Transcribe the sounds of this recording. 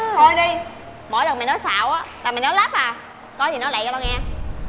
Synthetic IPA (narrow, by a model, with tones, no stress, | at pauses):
h̪ʰo˧jɗi˧ | mo̰˧˨jlə˨˩mː˨˩nɔ˨˦jsa̰ː˧˨wʔaː˨˦laː˨˩ma˨˩ŋnɔ˨˦jlaː˦˥p̚vaː˨˩ | kɔ˨˦zi˨˩nɔ˨˦la̰˧˨jt̪ɔ˧ŋɛ˧